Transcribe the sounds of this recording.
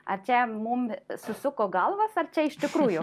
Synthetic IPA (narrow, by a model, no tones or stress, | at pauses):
ɐrt͡ʃʲɛmumsʊsʊkoːɡɐlˠʋɐsɐrt͡ʃʲɛɪʃʲt̪ʲɪkɾuːjʊ